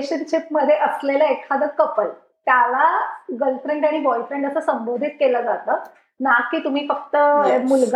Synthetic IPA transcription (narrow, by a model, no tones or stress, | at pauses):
ɕənɕip̚məd̪ʱːjeʔəslelaekʰad̪əkəpəj | t̪jalaɡəlfɾeɳɖaɽ̃ibɔifɾeɳɖəsəːsəmbod̪ʱiːt̪̚keləːd͡zat̪əː | nakːiːt̪um̤iːfəkt̪əmulɡ